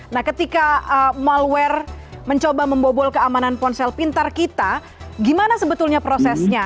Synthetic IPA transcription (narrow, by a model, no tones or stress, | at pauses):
nahkət̪ikaəmalwɛrməɲt͡ʃobaməmbobɔlkəamananpɔnsɛlpint̪arkit̪a | ɡimanasəbət̪ulɲapɾosɛsɲa